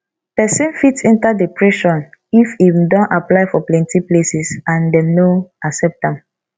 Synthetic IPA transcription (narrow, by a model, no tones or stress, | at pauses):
pɛsɛ̃nfitsɛ̃ntadepɹɛʃɔ̃nifidɔ̃nʔaplaɪfɔplɛ̃ntiplesisãndɛnoasɛp̚tãm